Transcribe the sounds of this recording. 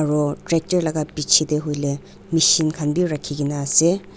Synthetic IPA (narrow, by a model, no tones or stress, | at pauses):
ɐɾɔtɾek̚tɐɾlɐɡapit͡ʃʰideɦojle | misinkʰanbiɾɐkʰːiɡinase